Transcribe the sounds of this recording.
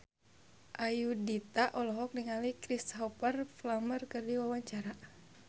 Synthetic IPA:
ʔajudit̪aʔɔlɔɦɔk̚niŋalikɾisɦɔpərflamərkɨrdiwawaɲt͡ʃaɾa

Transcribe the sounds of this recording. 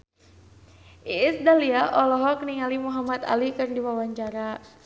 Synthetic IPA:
ʔiɪsdaliaʔɔlɔɦɔkniŋalimuɦamat̪a̰likɨrndiwawaɲt͡ʃaɾa

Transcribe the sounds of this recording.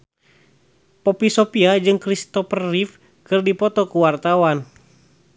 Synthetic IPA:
pɔpisɔpiad͡ʒɨŋkɾist̪ɔfərːif | kɨrdipɔt̪ɔkuwart̪awan

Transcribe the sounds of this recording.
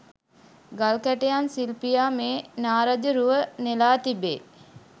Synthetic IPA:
ɡalkæʈejansilpijaːmeːnaːɾad͡ʒəɾuʋənelaːt̪ibḛː

